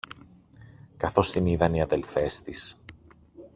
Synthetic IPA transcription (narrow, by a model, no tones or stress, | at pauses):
kɐθo̞st̪iniðɐniɐðe̞lfe̞st̪is